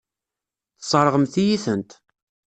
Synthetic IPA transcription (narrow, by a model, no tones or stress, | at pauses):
θsˤəɾˤʁəmθijiθənt̪